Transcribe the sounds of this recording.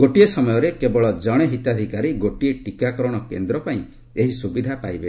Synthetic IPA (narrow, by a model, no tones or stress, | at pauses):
ɡoʈiesɔmɔjɔɾekebɔɭɔd͡ʒɔɽ̃eɦit̪ad̪ʱikaɾiɡoʈieʈikakɔɾɔɽ̃ɔkend̪ɾɔpaĩ | eɦisubid̪ʱapajbe